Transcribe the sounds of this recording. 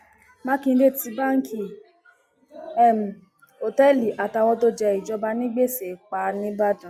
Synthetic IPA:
mã˦kĩ˧˦de˦˨ti˧˦ba˦ŋ̩˦kʰi˦˨ | ɛ˦˨m̩˨ | o˨tɛ˦˨li˨ʔa˨ta˨˧wɔ̃˧˦to˦d͡ʒɛ˧i˨d͡ʒɔ˧ba˧nĩ˦ɡ͡be˦˨se˨k͡pa˧˦nĩ˦ba˦dũ˨

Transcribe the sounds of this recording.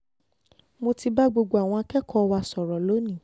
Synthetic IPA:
mo˧ti˧ba˦ɡ͡bo˧ɡ͡bo˧˨a˨w̃ɔ̃˧a˧kɛ˦kʰɔ˦˧wa˧sɔ˨ɾɔ˨lo˨˦nĩ˦˨

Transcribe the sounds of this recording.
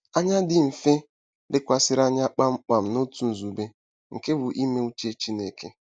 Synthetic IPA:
a˦ɲa˦dɪ˦m̩˨fe˦ | dɪ˦kʷa˨sɪ˦ɾa˦ɲa˦k͡pa˦ŋ͡m̩˦k͡pa˨m̩˨no˦tu˦n̩˨zu˨be˦ | ŋ̩˨ke˦bʊ˨ʔi˦me˦u˦t͡ʃe˦t͡ʃi˦ne˨kḛ˦

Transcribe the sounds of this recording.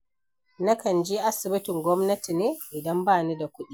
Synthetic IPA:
na˦kɐ˨nd͡ʒiː˦ʔa˦sɪ˨bɪ˦tɪ˨ŋɡʷɔ˦mnɐ˦ti˨neː˦ʔɪ˨dɐ˦mbaː˦˨ni˦da˨kʷʊ˦ɗi˦

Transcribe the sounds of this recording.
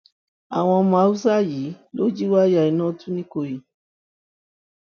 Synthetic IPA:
a˨w̃ɔ̃˧˦mã˨˦u˦sa˦ji˨˦lo˦d͡ʒi˦wa˦ja˨i˨nɔ̃˦tũ˦nĩ˦ko˧˨jĩ˨

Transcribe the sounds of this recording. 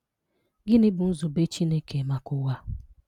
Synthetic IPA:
ɡɪ˦nɪ˦bʊ˨n̩˦zʊ˨be˦t͡ʃi˦ne˦ke˨ma˦kʊ˦wa˦

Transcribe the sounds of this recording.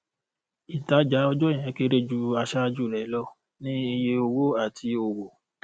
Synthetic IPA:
i˨ta˨˦d͡ʒa˨˦ɔ˧d͡ʒɔ̃˦˨ɛ̃˨˦ke˦ɾe˦d͡ʒu˦˧a˧ʃa˦d͡ʒu˦˨ɾɛ˨˦lɔ˦ | nĩ˦e˧je˧o˧wo˦a˦˨tʰi˧o˧wo˨

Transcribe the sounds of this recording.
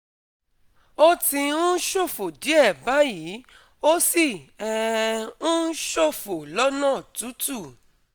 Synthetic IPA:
o˦tĩ˧ũ˦ʃo˦˨fo˨d͡ʒi˨˦ɛ˦˨ba˨˦ji˨˦ | o˦si˦˨ɛ˧ũ˦ʃo˦˨fo˨lɔ˦nãː˦˨tu˨˦tu˦˨

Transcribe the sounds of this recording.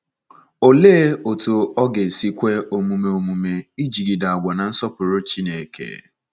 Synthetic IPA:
o˨le˦o˨to˨ɔ˦ɡe˨si˦kʷe˦o˨mu˨me˨o˨mu˨me˦i˦d͡ʒi˨ɡi˨da˨a˨ɡʷɔ˨na˨n̩˦sɔ˦pʊ˨ɾo˦t͡ʃi˦ne˨kʰḛ˨

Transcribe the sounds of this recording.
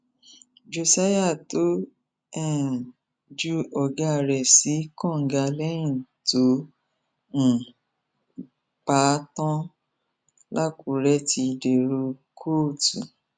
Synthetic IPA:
d͡ʒo˧sa˦ja˦˨to˦ | ɛ˦˨ | d͡ʒu˦ɔ˧˨ɡa˧˨ɾɛ˨si˨˦kɔ̃˦˨ŋ̩˨ɡa˧lɛ˦jĩ˦˨to˨˦ | m̩˨ | k͡pa˨˦tɔ̃˦ | la˦˨ku˨˦ɾɛ˦ti˧de˨ɾo˧kʰoː˦˨tu˨

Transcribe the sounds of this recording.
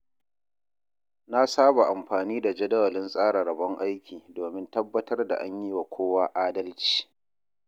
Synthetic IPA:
na˦saː˦ba˨ʔa˨mɸaː˨niː˦da˨d͡ʒɐ˦dɐ˦wɐ˨lɪ˦nsʼaː˦ɽa˨ɾɐ˨bɔ˦ŋʔa˦jkʲʰiː˨doː˨mɪ˦ntɐ˦bːɐ˦tɐ˦rda̰˨ʔa̰˦ɲji˦wa˨kʷʰoː˦waː˦ʔaː˦dɐ˦lt͡ʃi̥ː˨

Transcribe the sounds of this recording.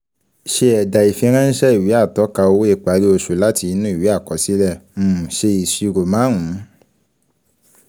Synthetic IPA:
ʃe˧ɛ˨da˨i˨fĩ˧˦ɾ̃ã˦ñ̩˦ʃɛ˦i˨wi˨˦a˦˨tɔ˨˦ka˧o˧wo˦e˦˧˨k͡pa˨˧˦ɾi˦o˧ʃo˨la˦ti˧nũ˦i˦˨wi˨˦a˦˨kɔ˨˦si˦lɛ˦˨m̩˦˨ʃe˧i˨ʃi˧ɾo˨mãː˨˦ɦũ˨˦

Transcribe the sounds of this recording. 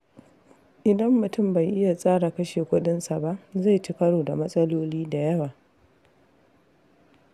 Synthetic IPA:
ʔɪ˨dɐ˦mːʊ˨tʊ˦˨mba˨jʔɪ˦ja˨sʼaː˦ɽa˨kɐ˦ʃeː˨kʷʊ˦ɗɪ˦nsa˨ba˦ʔza˦˨jti˦kɐ˦ɽoː˨da˨mɐ˦sʼɐ˦loː˦liː˦da˨jɐ˦waː˨

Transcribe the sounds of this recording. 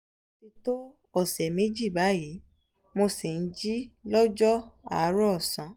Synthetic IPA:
o˧ti˧to˦ | ɔ˦˨sɛ˨me˨˦d͡ʒi˦˨ba˨˦ji˨˦ | mo˧si˨n̩˦d͡ʒi˦lɔ˦d͡ʒɔ˦a˦˨˦ɾɔ˦˨sã˨˦

